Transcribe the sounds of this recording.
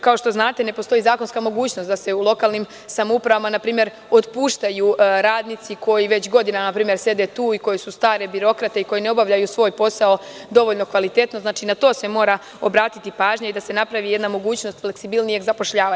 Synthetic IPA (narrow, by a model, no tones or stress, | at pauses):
kao̞ʃt̪o̞znaːt̪e̞ne̞po̞st̪o̞izaːko̞nskamo̞ɡuːt͡ɕnost̪d̪ase̞ulˠo̞kaːlniːm | samoupɾaʋamanapɾiːmje̞ɾ | o̞t̪puːʃt̪ajuːɾaːd̪nit̪siko̞jiʋe̞t͡ɕɡo̞d̪inanapɾiːmjeɾse̞d̪et̪uːiko̞jesust̪aːɾe̞biɾo̞kɾat̪e̞iko̞jeneo̞baʋʎajuːsʋo̞ːjpo̞sao̞d̪o̞ʋo̞ʎno̞kʋalit̪e̞t̪no̞znaːt͡ʃinat̪o̞ːse̞mo̞ːɾa | o̞bɾaːt̪it̪ipaːʒɲaid̪ase̞napɾaʋije̞d̪namo̞ɡuːt͡ɕno̞st̪fleksibilnije̞ɡzapo̞ʃʎaːʋa